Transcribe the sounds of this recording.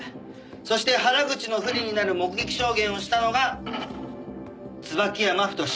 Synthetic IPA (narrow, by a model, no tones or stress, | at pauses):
so̞ɕi̥t̪e̞ɦaɾaɡɯ̟t͡ɕino̞ɸɯ̟ɾʲiɲ̟inaɾɯ̟mo̞kɯ̟ɡe̞kʲi̥ɕo̞ːɡẽ̞ɰ̃o̞ɕi̥t̪ano̞ɡa | t͡sɨbakʲiamaɸɯ̟̥t̪o̞ɕ